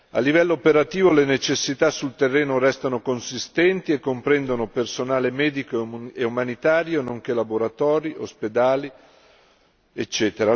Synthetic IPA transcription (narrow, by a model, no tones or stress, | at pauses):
a̰lːivɛlːoːpeɾat̪iːvolenet͡ʃesːit̪asːult̪erːeːnoɾɛst̪anokonsist̪ɛnt̪iekːompɾɛnd̪onopersonaːlemɛːd̪ikoeumanit̪aːɾjonoŋk̟elaboɾat̪ɔːɾiʔo̰sped̪aːli | et͡ʃːɛːt̪eɾa